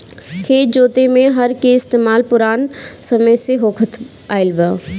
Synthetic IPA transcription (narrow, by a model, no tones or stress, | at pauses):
kʰeːt͡ʃd͡ʒoːt̪emẽɦɐɾkeɪst̪eːmaːlpʊɾaːnsɐməjseɦoːkʰət̪ʰ | aːɪlbə